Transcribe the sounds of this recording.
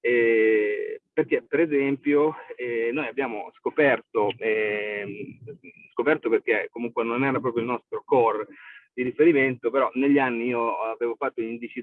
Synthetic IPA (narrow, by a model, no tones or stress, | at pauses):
ɛ | perk̟epeɾezɛmpjoɛnojabːjaːmo̰skopɛrt̪oɛ | skopɛrt̪operk̟ekːomuŋkwenonɛːɾapɾɔːp̬joilnɔst̪ɾokɔrd̪iɾifeɾiment̪opeɾɔneʎːanːiiːoaveːvofat̪ːoind̪it͡ʃi